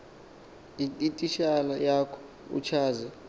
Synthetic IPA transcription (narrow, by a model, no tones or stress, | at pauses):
itʼiʃalajakʰɔ̥ | ṵt͡ʃʰaːzɛ